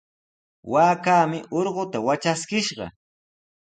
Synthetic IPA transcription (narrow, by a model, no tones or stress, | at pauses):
waːkaːmɪʔoɾɢʊt̪awat͡ʃaskɪʃɢɑ̰